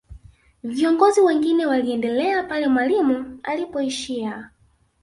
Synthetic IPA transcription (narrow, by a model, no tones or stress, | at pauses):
viɔŋɡɔziwɛŋɡinɛwaliɛndɛlɛapalɛmwalimualipɔiʃia